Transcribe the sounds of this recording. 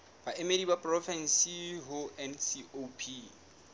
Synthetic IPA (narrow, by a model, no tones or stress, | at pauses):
b̥aʔɪmedibapʼrɔfɛn̩siɦʊɛnsiopʰi